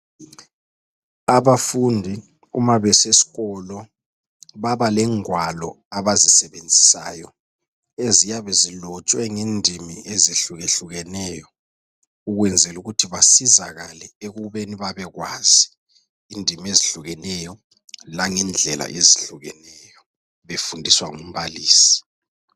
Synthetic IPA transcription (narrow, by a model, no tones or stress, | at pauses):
aβafundʱi | umaβɛsesi̥ɣɔlɔ | βaβalɛŋwalɔ̰ | aβazisɛβend͡zʱi̥sa̰ːjɔ | ezijaβɛzilɔt͡ʃʼwɛŋendʱimieziɬuɣeɬuɣɛnɛːjɔ | uɣwɛnd͡zʱɛluɣutʰiβasiza̰ɣalɛeɣuβeniβaβɛɣwaːz̥i | iːndʱimeziɬuɣɛnɛjɔ | laŋɛnd͡ɮʱɛla̰ʔeziɬuɣɛnɛjɔ | βefundʱiswaŋum̩βaliːsi̥